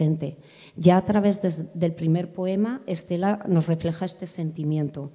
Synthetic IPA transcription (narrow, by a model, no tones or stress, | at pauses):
e̞nt̪e̞ | ʝaːt̪ɾaβ̞e̞zðe̞lpɾime̞ɾpo̞e̞mae̞st̪e̞lano̞sre̞fle̞xaest̪e̞se̞nt̪imjẽ̞nt̪o